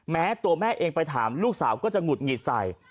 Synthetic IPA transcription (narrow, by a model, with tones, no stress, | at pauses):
mɛː˦˥t̪u˧ɐmɛː˥˩ʔeː˧ŋpa˧jt̪ʰaː˩˦mluː˥˩k̚saː˩˦wkɔː˥˩t͡ɕa˨˩ŋu˨˩t̪̚ŋi˨˩t̪̚sa̰˨˩j